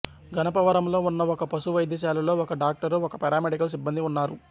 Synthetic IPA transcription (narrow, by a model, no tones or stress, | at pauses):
ɡʱɐnɐpɐʋɐɾɐmlo̞ːunːɐɔkɐpɐsuʋɐjd̪ɐʃ̬aːlɐlo̞ːɔkɐɖaːk̚ʈɐɾuɔkɐpɛɾaːmeɖikɐlus̬ibːɐnd̪iunːaːɾu